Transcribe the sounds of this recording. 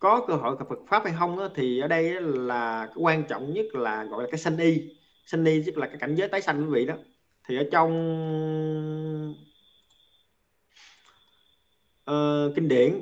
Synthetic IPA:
kɔ˨˦kəː˧ɦo̰˧˨jkə˨˩fɨ˨˩t̚faː˦˥p̚ha˧jxə˧wŋ͡mʔaː˨˦t̪ʰi˨˩ʔəː˧˩ɗə˧jʔaː˨˦laː˨˩kaː˨˦jkwaː˧nt͡ɕɔ̰˧˨wŋ͡mɲə˦˥t̚laː˨˩ɣɔ̰˧˨jlaː˨˩aː˨˦jsə˧nʔi˧ | sə˧nʔi˧zə˦˥k̚laː˨˩kaː˨˦jka˧˩ŋ̟zəː˨˦jt̪aː˨˦jsa˧jŋ̟kwi˨˦vḭ˧˨ɗɔ˨˦ | t̪ʰi˨˩ʔəː˧˩˦t͡ɕɔ˧wŋ͡m | ʔəː˨˩kï˧ŋ̟ɗḭ˧˩˨ən

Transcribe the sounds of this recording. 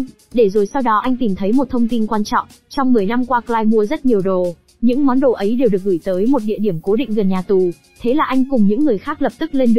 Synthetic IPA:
ɗe˧˩zo˨˩jsa˧wɗɔ˨˦ʔa˧jŋ̟t̪i˨˩mt̪ʰə˨˦jmo˨˩t̚t̪ʰə˧wŋ͡mt̪i˧nkwaː˧nt͡ɕɔ̰˧˨wŋ͡m | t͡ɕɔ˧wŋ͡mmɨ˨˩əjna˧mkwaː˧klaː˧jmu˧əzə˦˥t̚ɲi˨˩əwɗo˨˩ | ɲɨ̰˧˥ŋmɔ˨˦nɗo˨˩ʔə˨˦jɗe˨˩wɗɨ˨˩ək̚ɣɨ˧˩jt̪əː˨˦jmo˨˩t̚ɗḭ˧əɗi˧˩əmko˨˦ɗḭ˧˨ŋ̟ɣə˨˩nɲaː˨˩t̪u˨˩ | t̪ʰe˨˦laː˨˩ʔa˧jŋ̟kʊ˨˩ŋ͡mɲɨ̰˧˥ŋːɨ˨˩əjxaː˦˥k̚lə˨˩p̚t̪ɨ˦˥k̚le˧nɗɨ˨

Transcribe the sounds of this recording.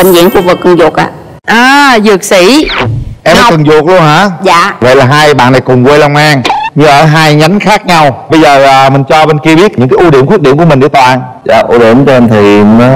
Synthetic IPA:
ï˨˩ŋzḭ˧˥əŋfu˧vɨ˨˩kːɨ˨˩ŋzu˨˩k̚ʔa̰ː˧˨ | ʔaː˨˧˩zɨ˨˩ək̚si˧˩˦ʔɛ˧ma˨˩kɨ˨˩ŋzək̚lu˧ənhaː˨˦zaː˧˨və̰˧˨jlaː˨˩ɦaː˧jɓa̰ː˧˨nːa˨˩jkʊ˨˩ŋ͡mkwe˧la˧wŋ͡mʔaː˧ŋɲɨ˧aː˨˦ɦaː˧jɲa˨˦nxaː˦˥k̚ɲa˧wɓə˧jzəː˨˩aː˨˩mï˨˩ŋ̟t͡ɕɔ˧ɓe˧nki˧əɓi˦˥ət̚ɲɨ˧˥ŋkaː˨˦ʔu˧ɗi˧˩əmkwt̚ɗi˧˩əmku˧˩əï˨˩ŋ̟ɗi˨˦t̪ʰːʔaː˧˨n | za̰ː˧˨˩ʔṵ˧ɗi˧˩˨əmku˧nt̪ʰi˨˩˨

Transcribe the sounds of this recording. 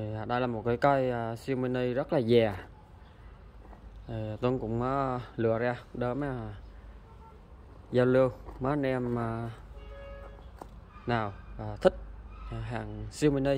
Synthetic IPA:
ɗə˧jlaː˨˩mo˨˩t̚kaː˨˦jka˧jsi˧wmi˧nə˧zə˦˥t̚laː˨˩zɛː˨˩ | tə˨˩˨t̪ə˧nkʊ̰˧˥ŋ͡mma˨˦lɨ̰˧˨əzaː˧ɗə˨˦ma˧ | zaː˧wlɨ˧əwma˨˦nɛ˧ma˧˩ | naː˨˩wvaː˨˩t̪ʰï˦˥k̚ːɦaː˨˩ŋsi˧wmi˧nə˧j

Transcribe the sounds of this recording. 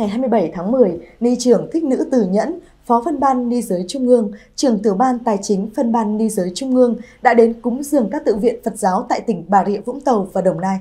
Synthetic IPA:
ŋa˨˩jɦaː˧jm˧əjɓə˧˩jt̪ʰaː˨˦ŋmɨ˨˩əjni˧t͡ɕɨ˧˩əŋt̪ʰï˦˥k̟̚nɨ̰˧˥t̪ɨ˨˩ɲə̰˧˥n | fɔ˨˦fə˧nɓaː˧nːi˧zəː˨˦jt͡ɕʊ˧ŋ͡mʔɨ˧əŋt͡ɕɨ˨˩əŋt̪ɨ˧˩əɓaː˧nt̪aː˨˩jt͡ɕï˨˦ŋ̟fə˧nɓaː˧nːi˧zəː˨˦jt͡ɕʊ˧ŋ͡mʔɨ˧əŋɗa̰ː˧˥ɗe˨˦nkʊ̰˨˦ŋ͡mzɨ˨˩əŋkaː˦˥k̚t̪ɨ̰˧˨vḭ˧˨ənfə˨˩t̚zaː˨˦wt̪a̰ː˧˨jt̪ï˧˩ŋ̟ɓaː˧˩ɾḭ˧˨əvʊ̰˧˥ŋ͡mt̪ə˨˩wvaː˨˩ɗə˨˩wŋ͡mnaː˧j

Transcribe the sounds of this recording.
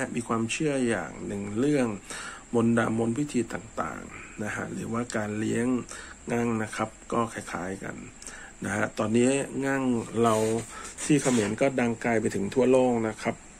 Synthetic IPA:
a˦˥miː˧kʰwaː˧mt͡ɕʰɯ˥˩əja̰ː˨˩ŋ̚nɯ˨˧˩ŋɾɯ˥˩əŋ | mo˧nda̰ː˧mbo˧nwi˦˥t̪ʰiː˧t̪aː˨˩ŋt̪a̰ː˨˩ŋna˦˥kʰa̰˦˥ʔɾɯ̰ː˩˦waː˥˩kaː˧nli˦˥əŋŋa˥˩ŋna˦˥kʰa˦˥p̚kɔː˥˩kʰaː˧˩kʰaː˨˦˥jka̰˧nː | a˦˥kʰa˦˥t̪ɔː˧nːiː˦˥ŋa˥˩ŋɾa˧wt̪ʰiː˥˩kʰa˧me˩˦nkɔː˥˩da˧ŋkaː˧jp̬a˧jt̪ʰɯ˩˦ŋt̪ʰu˥˩ɐloː˥˩k̚na˦˥kʰa˦˥p̚

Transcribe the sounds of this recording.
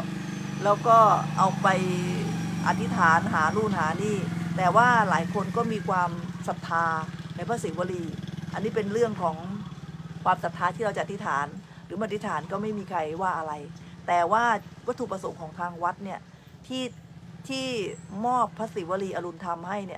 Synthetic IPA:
lɛː˦˥wkɔː˥˩ʔa˧wpa˧j | ʔa̰˨˩t̪ʰːi˦˥t̪ʰaː˩˦nɦaː˩˦nuː˧˩nɦaː˩˦niː˥˩t̪ɛː˨˩waː˥˩laː˩˦jkʰo˧nkɔː˥˩miː˧kʰwaː˧msa˨˩p̚t̪ʰaː˧na˧jpʰaː˦˥siː˨˩˦wa˧˥ɾiː˧ʔa̰˧nːiː˦˥pe˧nɾɯ˥˩əŋkʰɔː˩˦ŋ | kʰwaː˧msa˨˩p̚t̪ʰaː˧t̪ʰiː˥˩ɾa˧wt͡ɕa˨ʔa˨t̪ʰi˦˥t̪ʰaː˩˦n | ɾɯː˩˦maː˧˩t̪ʰi˦˥t̪ʰaː˨˩˦nkɔː˥˩ma˥˩jmiː˧kʰa˧jwaː˥˩ʔa˧ɾa˧jt̪ɛː˨˩waː˥˩wa˦˥t̪ʰːuː˧˩pɾa˧so˩˦ŋkʰɔː˩˦ŋt̪ʰaː˧ŋwa˦˥t̪̚ni˥˩ɐ | t̪ʰiː˥˩t̪ʰiː˥˩mɔː˥˩pʰːaː˦˥siː˨˩˦wa˧ɾiː˧ʔa˧lu˧nt̪ʰa˧mha˥˩jni˦˥˩

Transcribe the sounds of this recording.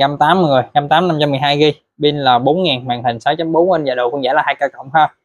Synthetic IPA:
ka˧mt̪aː˨˦mɨ˨˩əjka˧mt̪aː˨˦mna˧mt͡ɕa˧mːɨ˨˩jɦaː˧jɣi˧ | ɓi˧nlaː˨˩ɓo˨˦nŋaː˨˩nmwa̰ː˧˩nt̪ï˨˩ŋ̟sa˨˦wt͡ɕa˨˦mɓo˨˦nwə˧nzaː˨˩ɗo̰˨˩kʊ˧ŋza̰ː˧˩laː˨˩haː˧jkaː˧˩kə̰˧˩˨wŋ͡mhəː˧˩

